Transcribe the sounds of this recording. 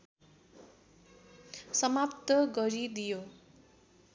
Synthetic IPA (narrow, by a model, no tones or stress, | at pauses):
sʌmapt̪ʌɡʌɾid̪ijo